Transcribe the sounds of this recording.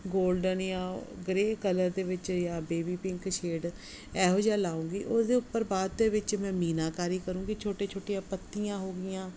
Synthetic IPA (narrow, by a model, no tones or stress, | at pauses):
ɡoːlɖənjãːɡɾeːkələɾd̪eːʋɪt͡ʃjãːbeːbiːpɪ̃ŋkʃeːɖ | ɛːɦoːd͡ʒaːlaːũːɡiːʔosd̪eːʊpːəɾbaːd̪ːeːʋɪt͡ʃmɛ̃ːmiːnaːkaːɾiːkəɾũːɡiːt͡ʃʰoːʈeːt͡ʃʰoːʈɪjãːpət̪ːijãːɦoːɡɪjãː